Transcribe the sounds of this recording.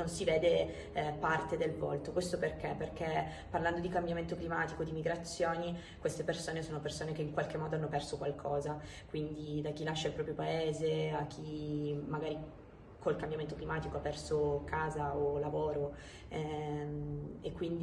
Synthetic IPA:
nonsiveːd̪e | part̪ed̪elvo̰lt̪okwest̪operkeperk̟e | pːarland̪od̪ikambjament̪oklimaːt̪ikod̪imiɡɾat̪sːjoːni | kwest̪epersoːnesoːnopersoːnekeiŋkwalkemːɔːd̪oanːopɛrsokwalkʰɔːza | kwind̪id̪ak̟ːilaʃːailpɾɔːpɾjopaeːzeak̟ːimːaɡaːɾi | kolkambjament̪oklimaːt̪ikoapːɛrsokaːzaolavoːɾo | ɛ | ekːwind̪i

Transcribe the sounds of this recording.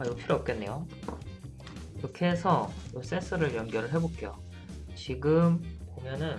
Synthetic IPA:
ajopʰiɾoʌp̚k͈e̞nːe̞jo | iɾʌkʰe̞sʰʌjos͈e̞nsʰʌɾɯɭjʌŋɡjʌɾɯɭɦe̞bok͈ejo̰ | t͡ɕiɡɯmpomjʌnɯn

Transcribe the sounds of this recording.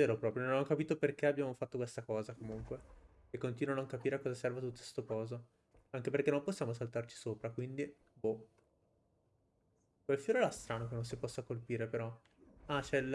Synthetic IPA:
eːɾopɾɔːpɾjononanːokapiːt̪operkeabjaːmofat̪ːokwest̪akɔːzakomuŋkwe | ekːont̪inwanoakːapiːɾekɔːzasɛrvat̪ut̪ːo̥st̪okɔːzo | aŋkep̬erkenːõmposːjaːmos̬alut̪art͡ʃi̥soːpɾakwind̪i | bo | kwelfjoːɾoɛlast̪ɾaːnokenːons̬ipɔsːakolpiːɾepeɾɔ | at͡ʃɛl

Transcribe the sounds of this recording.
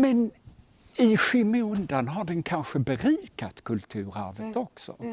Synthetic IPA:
mɛn | ɪɧɪmɵnd̪anɦaɖɛnkʰanɧəbɛɾiːkat̪kʰɵlt̪ʰʉ̟ːɾæ̰ɾvət̪ɔksɔ̰

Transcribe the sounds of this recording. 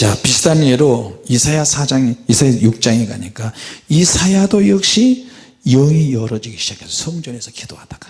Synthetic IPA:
t͡ɕapisʰi̥tʰaɲieɾoisʰajasʰad͡ʑaŋiisʰajajuk̚t͡ɕ͈aŋeɡaɲik͈aisʰajadojʌk̚ɕ͈i | jʌŋijʌɾʌd͡ʑiɡiɕʰid͡ʑakʰesʰʌsʰʌŋd͡ʑʌne̞sʰʌked̥oɦad̥aka

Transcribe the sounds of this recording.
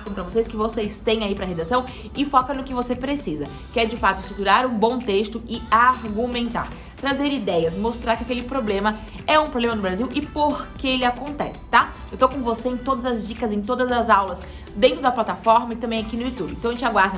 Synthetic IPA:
sɐ̃w̃pɾɐvoseskɪvosejst̪ẽj̃aipɾɐɦed̪asɐ̃w̃ | ɪfɔkɐnʊkɪvosepɾesizɐ | kɪɛɾd͡ʒɪfat̪ʊɪst̪ɾut̪uɾaɾũbõt̪est̪ʊɪaɾɡumẽnt̪a̰ɾ | t̪ɾazeɾid̪ɛjɐsmost̪ɾaɾkɪakelɪpɾoblẽmɐ | ɛũpɾoblẽmɐnʊbɾaziwʔɪpoɾkɪelɪakõnt̪ɛ̰sɪ̥t̪a | ewt̪okõvoseẽt̪od̪ɐzɐzd͡ʒikɐzẽj̃t̪od̪ɐzɐzawlɐs | d̪ẽnt̪ɾʊd̪ɐplat̪afɔɾmɐɪt̪ɐ̃mbẽj̃akinʊjut̪ubɪẽt̪ɐ̃ẽt͡ʃaɡwaɾd̪ɐ

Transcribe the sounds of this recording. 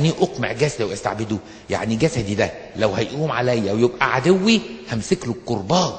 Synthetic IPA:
niːʔoqmeʕɡæsæd̪iwʔæst̪a̰ʕbed̪u | ja̰ʕniɡæsæd̪id̪æ | læwhæjʔuːmʕalæjːæwjebʔæʕad̪ewːihæmseklokkːoɾˤbɑː

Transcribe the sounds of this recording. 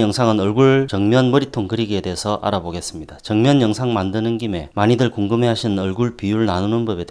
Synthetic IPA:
jʌŋsʰaŋɯnʌɭɡuɭt͡ɕʌŋmjʌnmʌɾitʰoŋkɯɾiɡie̞de̞ɦesʰʌʔa̰ɾaboɡe̞s͈ɯmɲid̥at͡ɕʌŋmjʌnjʌŋsʰaŋmandɯnɯnkime̞maɲidɯɭkuŋɡɯmɦe̞ɦaɕʰinɯnʌɭɡuɭpijuɭnanunɯnbʌbe̞de

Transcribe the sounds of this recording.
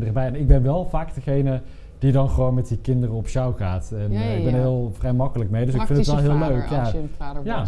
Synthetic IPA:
dərəbɛjɛnɪɡ̚bɛnʋɛlˠvaːkdəχejnə | d̥idɑnχəʋownmɛt̚dikɪndərəɔpʃawχaːtɛnɪɡbɛnəɦɪːlˠvrɛjmɑkələkmejdøsɪkfɪnttʋɛlˠɦɪːlˠløɥkjaja

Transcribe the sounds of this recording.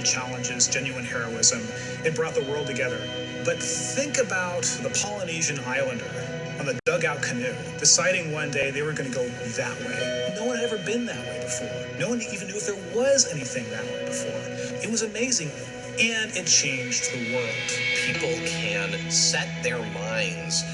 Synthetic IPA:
t͡ʃʰælˠə̃nd͡ʒɪzd͡ʒɛ̃njʉɨ̃nhɛɹoʊɪzɨ̃m | ɨt̚b̥ɹɔt̪̚ðəwɜ˞lˠd̚tʰɨɡɛðə˞ | b̥ʌt̪̚θɪ̃ŋkɨbaʊt̪̚ðəpʰɑlˠəniʒɨ̃naɪlˠə̃ndə | ɨ̃nðɨdʌɡaʊt̚kʰɨmɪɾəd̥ɨsaɪɾɪ̃ŋwʌ̃ndeɪðeɪwə˞ɡʌnɨɡoʊ | ðɨʔ̚wḛɪnoʊwʌ̃nɨɾɛvə˞bɪ̃nðɨʔ̚wḛɪbɨfɔ̰ɹ | noʊwʌ̃nʰɨivndʉɨfðə˞wʌzɛniθɪ̃ŋðɨ̰ʔ̚wḛɪbɨfɔ̰ɹ | ɨt̚wʌzɨmeɪzɪ̃ŋ | ɨ̃nɨt̚t͡ʃʰẽɪ̃nd͡ʒðəwɜ˞kpʰipl̩ˠkʰɨ̃nsɛt̪̚ðə˞mãɪ̃nz̥

